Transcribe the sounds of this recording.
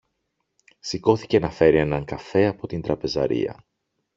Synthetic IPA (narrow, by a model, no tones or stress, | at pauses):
siko̞θi̥ce̞nɐfe̞ɾie̞nɐŋkɐfe̞ɐpo̞t̪ind̪ɾɐpe̞zɐ̰ɾḭɐ̰